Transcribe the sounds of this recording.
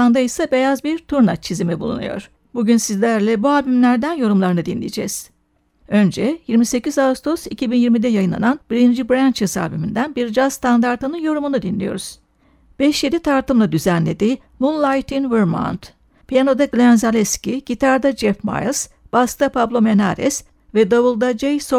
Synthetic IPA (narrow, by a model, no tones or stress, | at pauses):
and̪ajsabe̞jazbiɾt̪ʰuɾnat͡ʃʰizimɛbṵlˠṵnṵjo̞̰ɾ̥ | buɟynsizlʲæɾlʲɛbuabimlʲæɾd̪ænjo̞ɾumlˠaɾɯnɯd̪inlʲḭjd͡ʒɛ̰z̥ | ø̞nd͡ʒɛjiɾmise̞cizaust̪ʰosicʰibinjiɾmid̪ɛjajɯnˠa̰nanbiɾind͡ʒibɾænt͡ʃʰɯsa̰ːbimind̪ænbiɾd͡ʒaz̥st̪ʰand̪aɾt̪ɯnɯnjo̞ɾumunud̪inlʲḭjo̞̰ɾuz̥ | b̥ɛʃje̞d̪it̪ʰaɾt̪ʰɯmlˠad̪yzænlʲe̞d̪iː | munlˠajt̪ʰinvɯɾma̰nt̪ | pijano̞d̪aɡlʲænzalʲɛscʲiɟ̥it̪ʰaɾd̪ad͡ʒɛfma̰jlˠs | b̥ast̪ʰapʰablˠo̞me̞naɾɛ̰s | vɛd̪ovulˠd̪ad͡ʒejso